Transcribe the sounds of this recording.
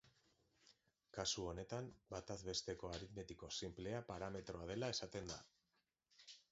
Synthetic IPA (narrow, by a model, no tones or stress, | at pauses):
kasuo̞ne̞t̪ambat̪azβe̞st̪e̞ko̞aɾit̪me̞t̪iko̞simple̞apaɾame̞t̪ɾo̞að̞e̞lae̞sat̪e̞nd̪a